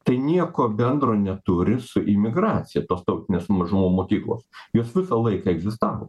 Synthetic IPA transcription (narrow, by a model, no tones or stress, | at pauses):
t̪ɐɪnʲiɛkoːbʲɛnd̪roːnʲɛt̪ʊɾʲɪsʊʔɪmʲɪɡɾɑːt̪sʲɪjɛt̪oːst̪ɐʊt̪ʲɪnʲeːsmɐʒʊmoːmoːkʲiːklˠo̰ːsjoːsʋʲɪsɐlˠɐɪkɑɛɡzʲɪst̪ɑːʋo̰ː